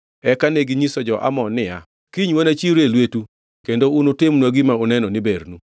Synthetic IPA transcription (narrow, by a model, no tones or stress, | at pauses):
ɛkaneɡiɲisɔd͡ʒɔʔa̰mɔnɪa | kiɲwonat͡ʃiɾelwetu | kendounotɪmnwaɡimaonɛnɔnibeɾnu